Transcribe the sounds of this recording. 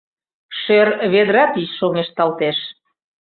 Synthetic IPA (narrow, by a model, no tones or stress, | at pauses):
ʃørβed̪ɾɑt̪isʃoŋeʃt̪ɑlt̪eʃ